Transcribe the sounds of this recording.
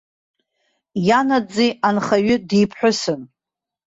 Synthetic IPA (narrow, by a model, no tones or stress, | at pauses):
janad͡zianχaɥʏdijpʰħʷᶣʊsɨn